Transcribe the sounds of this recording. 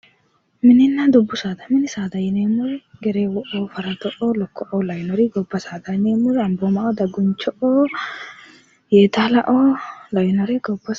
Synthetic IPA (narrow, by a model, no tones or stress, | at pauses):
mɪnɪnːad̪ʊbːʊsaːd̪ɐmɪnɪsaːd̪ɐjɪneːmːʊɾɡɛɾeːwɔʔoːfɐɾɐt̪ɔʔoːlɔkːɔʔolɐjnɔɾɪɡɔbːɐsaːd̪ɐneːmːʊɾɐmboːmɐʔɔd̪ɐɡʊnt͡ʃːɔʔoː | jeːt̪alɐʔolɐjnɔɾɪɡɔbːɐ